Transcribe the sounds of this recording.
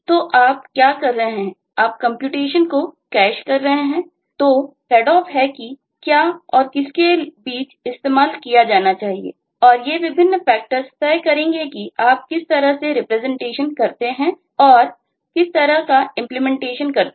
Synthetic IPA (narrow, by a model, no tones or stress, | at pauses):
t̪oʔaːp̚kjaːkɐɾːɐɦɦɛ̃ | aːp̚kɐ̃mpjuːʈeːʃənkokɛːʃkɐɾːɐɦeɦɛ̃ː | t̪opɛːɖɔːfɦɛki | kjaːɔːɾkɪskebiːt͡ʃɪst̪eːmaːlkijad͡ʒaːnat͡ʃaːɦiḛː | ɔːɾjeʋɪbʱɪnːfɛːk̚ʈəɾst̪ɛɦkɐɾẽːŋɡekiaːp̚kɪst̪ɐɾəɦseɾɪpɾɛzɛ̃ɳʈeːʃənkɐɾt̪eɦɛ̃ | ɔːɾ | kɪst̪ɐɾəɦkaɪ̃mplɪmɛ̃ɳʈeːʃənkɐɾ